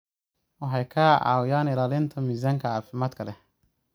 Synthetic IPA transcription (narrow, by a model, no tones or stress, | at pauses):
wɑħɑjkʰaːʕɑ̰ːwɪjaːnɪlaːlɪnt̪ʰɐmiːzaːŋkʰɐʕaːfɪmaːd̪kʰɐlɛ